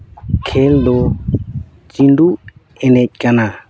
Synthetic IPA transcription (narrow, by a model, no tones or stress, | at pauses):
kʰɛld̪ɔ | t͡ʃinɖu | ɛnɛc̚kana